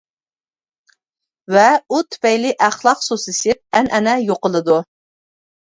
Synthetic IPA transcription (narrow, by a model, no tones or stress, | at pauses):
vɛut̪ʰy̥pɛjlɪʔæχlˠɑqsosɨsɪp̚ænʔɛnɛjoqəlˠɨd̪u